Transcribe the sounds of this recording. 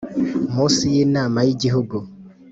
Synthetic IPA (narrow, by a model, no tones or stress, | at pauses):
mosijenamajiɟiɦuɡu